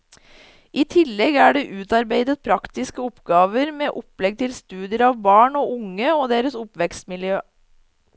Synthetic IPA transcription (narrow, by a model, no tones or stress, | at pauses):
ʔiːt̪ʰɪlːɛɡæːɖeːʔʉːt̪ɑɾbeɪd̪ət̪̚pʰɾɑkt̪ɪskəɔpɡɑːʋəɾmeːʔʊplɛɡ̚t̪ʰɪlst̪ʉːd̪ɪəɾɑːʋbɑːɳoːʔʊŋəoːd̪eːɾəsʊpʋɛkst̪mɪljøː